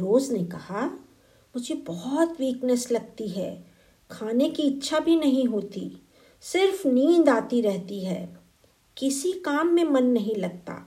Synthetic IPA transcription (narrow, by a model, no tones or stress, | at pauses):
ɾoːznekɐha | mʊd͡ʒʱebɔɦɔt̪wiːknəslɐɡ̚t̪iɦɛː | kʰaːnekiɪtːʃʰabʱinɐɦĩɦoːt̪i | sɪɾfniːnd̪aːt̪iɾɛɦt̪iɦɛː | kɪsikaːmːẽmɐnːɐɦĩlɐɡ̚t̪a̰ː